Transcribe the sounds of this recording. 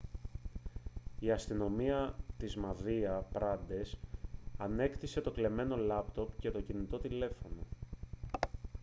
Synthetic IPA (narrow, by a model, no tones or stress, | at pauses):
iɐst̪ino̞miɐt̪izmɐðiɐpɾɐd̪e̞sɐne̞kt̪ise̞t̪o̞kle̞me̞no̞lɐpt̪o̞pce̞t̪o̞cinit̪o̞t̪ile̞fo̞no̞̰